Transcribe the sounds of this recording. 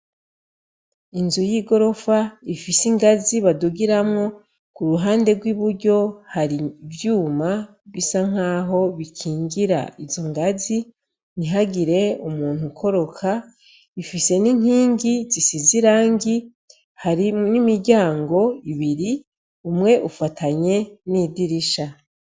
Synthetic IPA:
inzujiɡo̞ɾo̞faifisiŋɡaziβaduɡiɾamŋo̞ | kuɾuɦaːnde̞ɡwiβuɾɟo̞haɾivjuːma | βisaŋ̥aːɦo̞βikʰiːŋɡiɾa̰izo̞ŋɡazi | niɦaɡiɾe̞umuːn̥hukʰo̞ɾo̞kʰa | ifise̞niɲ̥hiːŋɡizisiziɾaːŋɡi | haɾinimiɾɟaːŋɡo̞iβiɾi | umŋe̞ʔufatʰaɲe̞nidiɾiʃa

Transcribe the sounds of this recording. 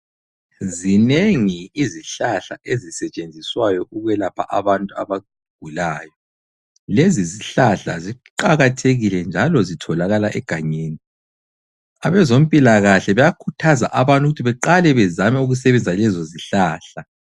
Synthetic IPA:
zineŋiiziɬaɬaʔezisɛt͡ʃʼend͡zʱiswajɔʔuɣwɛlapʰa̰ʔaβantʼua̰βa | ɡ̥ʱulaːjɔ | leziziɬaɬa̰ziǃaɣatʰeɣilɛnd͡ʒʱalɔzitʰɔlaɣalaʔɛɡ̥ʱaɲeːni | aβɛzom̩pʼilaɣaɬɛβɛjakʰutʰaza̰ʔaβantʼuɣutʰiβɛǃalɛβɛzamɛuɣus̬ɛβɛnd͡zʱalɛzoziɬaːɬa

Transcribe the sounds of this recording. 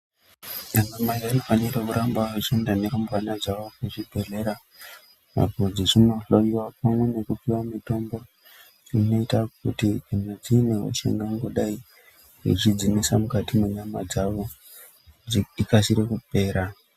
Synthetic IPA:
ɲanamaiʋanifaniɾekuɾambaet͡ʃendane̞ɾombwanad͡zaʋo̞keʐibʱe̞ɮe̞ɾa | ma̰kod͡ziʐinoɬojiwapamwene̞kupiwamito̞mbo̞ | ʐino̞itakutikanad͡zineɦṵʃḛŋɡaŋɡoɗai | ḭt͡ʃid͡zimisamukatimeɲamad͡zaʋo̞ | ikasiɾekupe̞ːɾa

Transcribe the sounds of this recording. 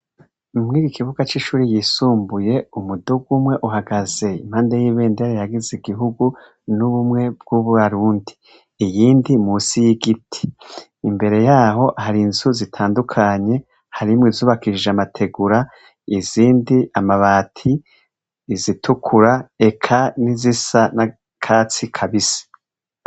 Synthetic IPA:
umŋiːɾikʰiβuɡat͡ʃiːʃuːɾijisuːmbuje̞umuduɡumwe̞ʔuɦaɡaze̞im̥haːndejiːβeːndiaɾihaɡiziɡiɦuɡu | nuβumŋe̞b̚ɡ̥uβuβaɾuːndi̥ː | jiːndimusijiɡitʰi̥ː | mbe̞ɾe̞jaːho̞haɾinzuzitʰaːndukʰaɲe̞ | haɾimwizuːβakiʃʒamatʰe̞ɡuɾa | iz̥iːndiamaβaːtʰiː | zitʰukʰuɾae̞kʰanizisana | kʰaːt͡sikʰaβisi̥

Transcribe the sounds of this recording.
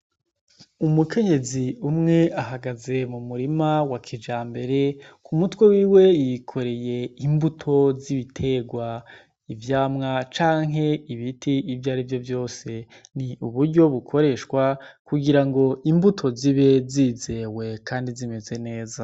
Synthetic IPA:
umukʰe̞ɲe̞ziumŋe̞aɦaɡaze̞mumuɾimawakʰid͡ʒaːmbe̞ɾe̞kumutwe̞wiːwe̞jikʰo̞ɾe̞je̞imbutʰo̞ziβitʰe̞ɡwa | ivjaːmŋat͡ʃaːŋɦe̞iβitiivjaːɾivjo̞vjo̞ːse̞ | niuβuɾɟo̞βukʰo̞ɾe̞ʃwakuɡiɾaŋɡo̞ʔimbutʰo̞ziβe̞zize̞ːwe̞kʰaːndizime̞ze̞ne̞ːza

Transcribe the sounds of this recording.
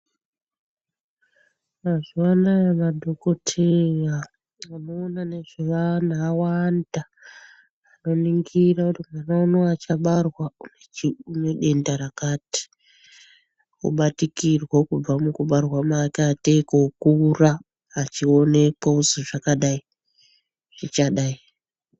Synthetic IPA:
maʐwanamadʱokotʰeja | anoːnane̞ʐeʋanaːwandaː | no̞niŋɡirakutimanaunoat͡ʃaɓarwaunet͡ʃiuneɗe̞ndaɾakaːti̥ | kṵɓatikirwokub͡vamukuɓarwamakaːtekoukuraː | t͡ʃione̞kwauzoʐakaɗai | ʐ̥it͡ʃaɗai

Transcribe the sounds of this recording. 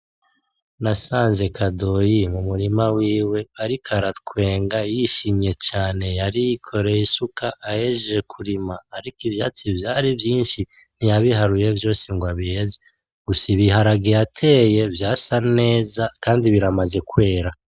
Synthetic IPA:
nasaːnze̞kʰado̞jimumuɾimawiːwe̞aɾikʰaɾat̚kwe̞ːŋɡajiʃimɲe̞t͡ʃaːne̞jaɾijikʰo̞ɾe̞jisukaʔːjeʒe̞kʰuɾimaːɾikivjaːt͡sivjaːɾivjiːnʃi | n̥ijaβihaɾuje̞vjo̞ːsiŋɡwaβieze | ɡ̥usiβiɦaɾaɡijatʰe̞ːje̞vjaːsane̞ːzakaːndiβiɾamaze̞kwe̞ːɾa

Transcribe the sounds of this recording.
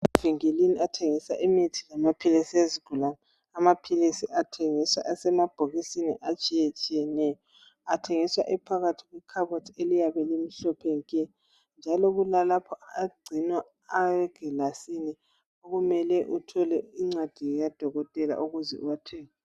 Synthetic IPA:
aviŋeliniatʰeŋisaʔimitʰi̥lamapʰilisieziɡ̥ʱulanaː | mapʰilisiʔatʰeŋiswa̰ʔasɛmab̥ʱoɣisinḭʔat͡ʃʼijet͡ʃʼijɛnɛjɔ | atʰeŋiswa̰ʔipʰaɣatʰiɣwikʰaβotʰelijaβɛlem̩ɬɔpʰɛŋkɛ | nd͡ʒʱalɔɣulalapʰɔaɡ͡ǀʱinwaː | ɛɡ̥ʱɛlasinɛ | oɣumɛlɛʔutʰɔlɛiŋ͡ǀad̥ʱijad̥ʱɔɣɔtʼɛla̰ʔuɣuzɛ̰uwatʰɛːŋa

